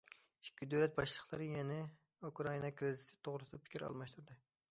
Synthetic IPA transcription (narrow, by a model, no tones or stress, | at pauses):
ikʲːid̪øwlɛt̪̚bɑʃlˠəqlˠɨɾɨjɛnɛ | ukɾɑinɑkɾɪzɪt̪ʰɪ̥t̪ʰːoʁɾɨsɨd̪ɑpʰɪ̥kʲiɾɑ̰lˠmɑʃt̪uɾd̪ɨ